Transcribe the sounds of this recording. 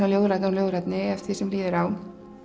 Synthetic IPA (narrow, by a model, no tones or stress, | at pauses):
aljoːwðɾat̪nnljoːwðɾat̪nɪɛft̪θisɛmliːðɪɾawn